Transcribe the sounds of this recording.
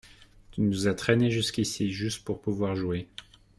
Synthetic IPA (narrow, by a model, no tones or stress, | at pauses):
t̪ynuzat̪χɛneʒyskʲisiʒyst̪puʁpuvwaʁʒue